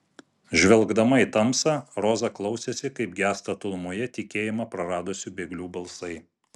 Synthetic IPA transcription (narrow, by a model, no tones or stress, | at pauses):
ʒʲʋʲɛlˠɡd̪ɐmɐit̪ɐmsɑːɾɔzɐklˠɒʊsʲeːsʲɪkɐɪpɡʲæːst̪ɐt̪ʊlˠmoːjɛt̪ʲɪkʲeːjɪmɑpɾɐɾɑːd̪osʲʊbʲeːɡlʲuːbɐlˠsɐɪ